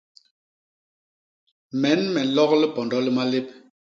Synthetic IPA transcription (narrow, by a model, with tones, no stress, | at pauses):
mɛ˨˦nmɛ˨n̩˨˦lɔ˦klə˦pɔ˨ndɔ˨˦lə˦ma˦le˦p̚